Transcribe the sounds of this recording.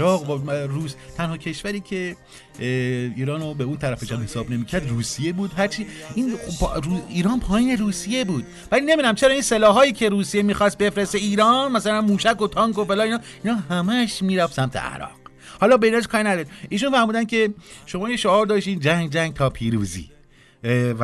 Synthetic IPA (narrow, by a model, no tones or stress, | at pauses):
ɾɒːɣvɾuːst̪ʰænhɒːcʰe̞ʃvæɾiːcʰe̞ | iːɾɒːnobeunt̪ʰæɾæfed͡ʒɒːmhe̞sɒːbne̞miːcʰæɾd̪ruːsije̞buːd̪ɦæɾt͡ʃʰiːinpɾuiːɾɒːnpʰɒːjiːne̞ɾuːsije̞buːd̪̥̚ | væliːne̞binæmt͡ʃʰe̞ɾɒːiːnse̞lɒːɦɒːjiːcʰe̞ɾuːsijemiːxɒst̪̚be̞fɾeseiːɾɒːnmæsælænmuːʃæko̞t̪ʰɒːŋkobelɒːiːnɒːiːnɒːɦæmæʃmiːɾæfsæmt̪ʰḛæ̰ɾɒ̰ːq | hɒːlɒːbe̞inæʃkɒːɾinæd̪ɒɾiʔiːʃunfæɾmuːd̪æn̚cʰe̞ʃo̞mɒːjeʃoɒːɾd̪ɒːʃt̪iːnd͡ʒæŋɡd͡ʒæŋɡ̚t̪ʰɒːpʰiːɾṵːzḭː | væ